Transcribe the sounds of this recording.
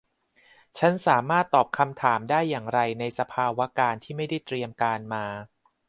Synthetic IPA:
t͡ɕʰa˦˥nsaː˩˦maː˥˩t̪ːɔː˨˩p̚kʰa˧mt̪ʰaː˩˦mdaː˥˩jːaː˨˩ŋɾa˧jna˧jsa˧pʰaː˧wa˦˥kaː˧nt̪ʰiː˥˩ma˥˩jda˥˩jt̪ɾi˧əmkaː˧nmaː˧

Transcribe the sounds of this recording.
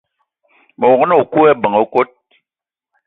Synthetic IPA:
mo˨kə˦no˦u˨ku˦ɛ˦˨bə˨ŋo˦ko˦t̚

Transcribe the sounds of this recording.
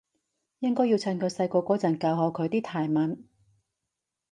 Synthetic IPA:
jɪ˥ŋkɔː˥ji˧wt͡sʰɐ˧nkʰɵ˨˧ɥsɐ˧jkɔː˧kʷɔː˨˥t͡sɐ˨˩nkɐ˧wɦɔː˧kʰɵ˨˧ɥt̪iː˥t̪ʰaː˨˩jmɐ˨˥n

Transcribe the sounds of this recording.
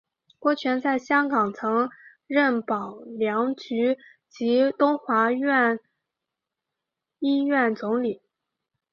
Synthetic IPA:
kwɔ˥˩t͡ɕʰɥɛ˧˥nt͡sa˥˩ɪɕjɑ˥ŋkɑ˨˩ŋt͡sʰɤ˧˥ŋ | ɻə˥˩npɑ˨˩ʊljɑ˧˥ŋt͡ɕy˧˥ | t͡ɕi˧˥t̪ʊ˥ŋxwa˧˥ɥɛ˥˩n | i˥ɥɛ˥˩nt͡sʊ˧˥ŋli˨˩˦

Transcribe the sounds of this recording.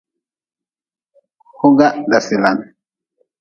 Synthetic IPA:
ho˦ɡa˦da˨sɛ˨la˨n

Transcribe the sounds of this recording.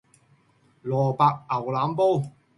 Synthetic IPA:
lɔː˨˩paː˧k̚ɐ˨˩wlaː˨˥mpo˥w

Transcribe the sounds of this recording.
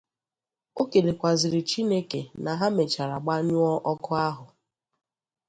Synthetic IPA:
o˦ke˨le˨kʷa˨zɪ˨ɾɪ˨t͡ʃi˦ne˦ke˨na˨ɦa˦me˨t͡ʃa˨ɾa˨ɡ͡ba˦ɲʊ˦ɔ˦ʔɔ˦kʊ˦a˦ɦʊ˨

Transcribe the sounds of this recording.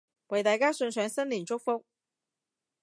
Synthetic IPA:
we˨˥˩t̪a˧˥ka˥sə˧˥nsʰwɛ˧˥nsə˥nli˨˩ŋʈ͡ʂo˥ʊfo˥ŋ

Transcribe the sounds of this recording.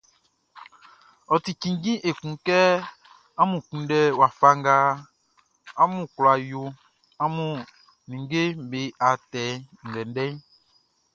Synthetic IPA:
ɔ˨t̪i˨kĩ˨ŋ˦ɡĩ˦ʔe˨kũ˨kɛ˦ | a˦mũ˨kũ˨˦ɖɛ˦wa˨fa˦ŋ˦ɡa˦ | a˦mũ˨klɔ˨a˨jo˨ | a˦mũ˦ | nĩ˨˦ɡe˦m˨˦be˨˦ʔa˨t̪ɛ˨˦ŋ̩˨ɡɛ˨n˦ɖɛ˦

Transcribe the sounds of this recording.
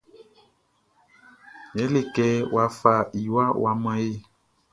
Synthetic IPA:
jɛ˨˦le˨kɛ˦wa˨fa˨i˨wa˦wa˨mã˦je˦˨

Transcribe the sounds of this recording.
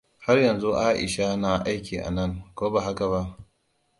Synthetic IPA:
ha˦rjɐ˨nzu˦ʔaː˦ʔɪ̰˨ʃa˦na˨ʔa˦jkʲiː˨ʔa̰˨nɐ˦ŋkoː˦ba˨ɦa˦ka˨βa˦ʔ

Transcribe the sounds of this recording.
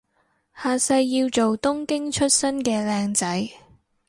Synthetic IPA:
haː˨˧sɐ˧jːiː˧wt͡ʃo˨wt̪ʊ˥ŋkɪ˥ŋt͡ʃʰɵ˥t̚sɐ˥nkɛː˧lɛː˧ŋt͡sɐ˨˥j

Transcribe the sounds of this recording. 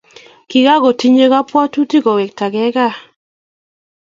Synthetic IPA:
ki˨ɡa˦ɡɔ˨ti˦ɲe˦ɡa˦pwɔ˦tu˦ti˦kɔ˨wɛ˨k̚ta˨ɡɛ˦ɡa˦˨

